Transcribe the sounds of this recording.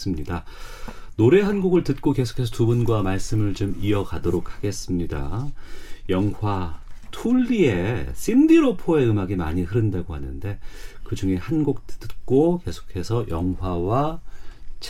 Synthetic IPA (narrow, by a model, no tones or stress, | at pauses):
s͈ɯmɲida | noɾe̞ɦanɡuɡɯɭtɯt̚k͈oke̞sʰo̥kʰe̞sʰʌtubunɡwamaɭs͈ɯmɯɭt͡ɕomiʌkadoɾokʰḁɡe̞s͈ɯmɲida̰ | jʌŋwatʰuɭːie̞s͈ʰimdiɾopʰoe̞ɯmaɡima̰ɲiɦɯɾɯndaɡohanɯ̰nde̞kɯd͡ʑuŋe̞hanɡuk̚tɯk͈oke̞sʰo̥kʰe̞sʰʌjʌŋwawa | t͡ɕʰ